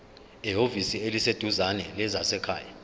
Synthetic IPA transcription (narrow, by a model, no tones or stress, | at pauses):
iɦovisielised̥ʱuzanɛlɛzasɛkʰa̰ːja